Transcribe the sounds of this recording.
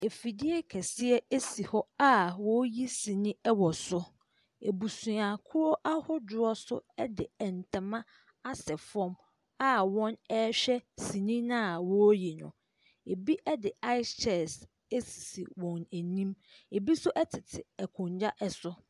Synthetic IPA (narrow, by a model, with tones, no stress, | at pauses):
e˨fi˨dɪ˦ɛ˦kʰɛ˨sɪ˦ɛ˦e˦si˨hɔ˦a˦wɔ˦ji˦sĩ˨nĩ˦ɛ˦wɔ˨sʊ˦ | e˨bu˨sũ˨a˨kʰʊ˦ɾɔ˦ʔa˦hʊ˦dʊ˨ɔ˦sʊ̰˦ɛ˦dɪ˨ɛ˨n̩˨tʰã˨mã˦ | a˦sɛ˨fɔ̃˦m | a˦wɔ̃˦nɛ˦ɕᶣɛ˦si˨nĩ˦nã˦˨wɔ˦ji˨nʊ̰̃˨ | e˨bi˦ʔɛ˦dɪ˨a˦ɪ˦t͡ʃʰɛ˨s | e˦si̥˨si˨wɔ̃˨næ˨nĩ˦me˨bi˦sʊ˦ʔɛ˦tʰɪ˨tʰɪ˨ɛ˨kʰʊ̃˨ɲd͡ʑa˦ʔɛ˨sʊ˦